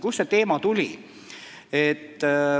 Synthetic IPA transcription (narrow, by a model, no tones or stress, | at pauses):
kusːe̞t̪e̞ːmɑt̪ulʲi | et̪ː